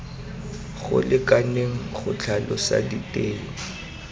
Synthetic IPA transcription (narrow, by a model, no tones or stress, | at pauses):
ɣʊ̰lɪkʼaneŋ̩χʊt͡ɬʰalɔsa̰ditʼeːlɔ